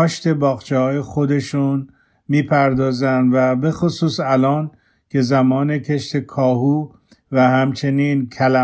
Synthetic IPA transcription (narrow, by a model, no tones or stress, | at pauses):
ɒːʃt̪e̞bɒːɣt͡ʃʰehɒːje̞xo̞d̪e̞ʃun | miːpʰæɾd̪ɒːzænd̪væbe̞xosuːsælɒːn | cʰe̞zæmɒːne̞cʰe̞ʃt̪ʰe̞kʰɒːɦuː | væhæmt͡ʃʰe̞niːnkʰælæ